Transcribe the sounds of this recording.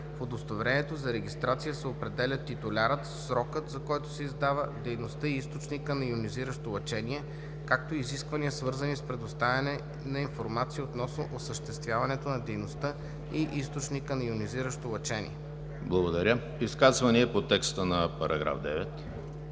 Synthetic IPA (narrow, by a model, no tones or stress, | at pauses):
fod̪ost̪ovɾɛnɛt̪ozɐɾɛɡ̟ist̪ɾat̪sijəsɛopɾɛd̪ɛlʲət̪it̪ʊlʲaɾət̪sɾɔkət̪zɐkɔjt̪o̥sɛizd̪avəd̪ɛjnost̪əiist̪ot͡ʃnikənɐiʊniziɾəʃt̪olˠɐt͡ʃɛniɛ | kak̚t̪oiziskvɐniəsvɤɾzɐnispɾɛd̪ost̪avʲɛnɛ | nɐinfoɾmat̪siot̪nɔsno̰ʔosəʃt̪ɛst̪vʲjavɐnɛt̪onɐd̪ɛjnost̪ə | iʔist̪ot͡ʃnikənɐiʊniziɾəʃt̪olˠɐt͡ʃɛnḭɛ | blˠɐɡod̪ɐɾʲə | iskazvɐniɛpot̪ɛkst̪ənɐpɐɾʔɐ̰ɡɾa̰vd̪ɛ̰vɛt̪